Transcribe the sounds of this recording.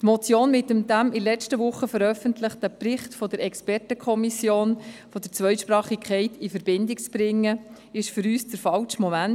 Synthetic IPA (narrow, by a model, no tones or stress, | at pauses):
t̪mɔt͡sjoːnmɪtəmd̥æmilɛt͡stəʋʊχəfəɾœfəntləχtəprɪχtfɔdəɾʔɛkspɛrtəkʰɔmisjoːnfɔd̥̪əɾt͡sʋœʏʃpɾɑːχɪkχɛɪtifəɾb̥ɪndɪk̚t͡sb̥ɾɪŋːə | ɪʃfʏɾyːsdəɾfɑlt͡ʃmɔmæn